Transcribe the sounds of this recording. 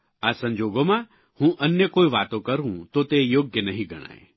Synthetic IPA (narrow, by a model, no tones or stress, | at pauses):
asə̃ɲd͡ʒoːɡomã | hũʔənjəkoːiʋaːt̪okəɾũt̪ot̪ejoːɡjənəɦĩɡʱəɽ̃a̰ːḛ